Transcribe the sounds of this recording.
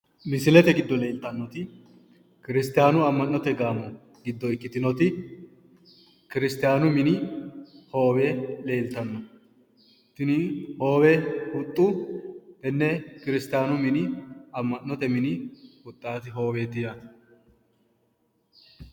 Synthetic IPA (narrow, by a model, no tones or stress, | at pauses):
mɪsɪlɛt̪ɛɡɪd̪ːɔle̞ːlt̪ɐnːɔt̪ɪ | kɪɾɪst̪ɪjaːnʊɐmːɐnːɔt̪ɛɡaːmːɔ | ɡɪd̪ːɔɪkːɪt̪ɪnɔt̪ɪ | kɪɾɪst̪ɪjaːnʊmɪnɪ | ho̞ːwele̞ːlt̪ɐnːɔ | t̪ːɪnɪho̞ːwɛhʊt̪ʼːʊ | ɛnːɛkɪɾɪst̪ɪjaːnʊmɪnɪɐmːɐnːɔt̪ɛmɪnɪʊt̪ʼːaːt̪ɪɦo̞ːweːt̪ːɪja